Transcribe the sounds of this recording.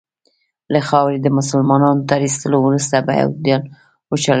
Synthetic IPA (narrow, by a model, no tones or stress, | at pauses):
laxɑwɾed̪əmʊsəlmɑnɑnot̪aɾist̪əlowɾust̪aba̰ja̰wd̪jɑl | wət͡ʃal